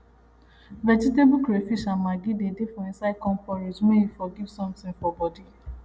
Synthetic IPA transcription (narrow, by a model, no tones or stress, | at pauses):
vɛd͡ʒitebukɾefiʃãmaɡidedefɔĩnsaɪkɔ̃mpɔɾed͡ʒmeifɔɡivsɔ̃mtĩŋfɔbɔdi